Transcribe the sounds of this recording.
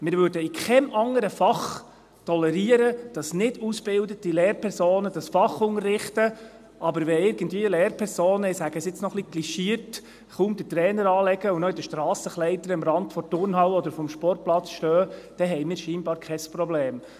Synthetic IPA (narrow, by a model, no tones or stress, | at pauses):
mɪɾʋøɾdəikʰɛmʔɑŋəɾəfɑχ | tʰɔlɛɾiəɾəd̥ɑsnɪdusb̥ɪldətilɛːɾpʰɛɾsoːnəd̥ɑsfɑχʊŋərːɪχtə | ʔɑbəɾʋɛɪɾɡ̥ən̩dviːəlɛːɾpʰɛɾsoːnəɪsæɡ̥əsɪt͡snɔχliɡ̥liʃiəɾt | χʊmd̥̪ətɾɛːnəɾɑːlɛɡ̥əunɔid̥əʃtɾɑːsəχlɛɪt̪əɾəmɾɑndfɔɾtʊrnɦɑwɔd̪əɾfɔmʃpɔrt̚plɑt͡sʃtøːd̥ɛɦɛjmɪːɾʃiːnbɑːɾkʰɛsprɔblɛːm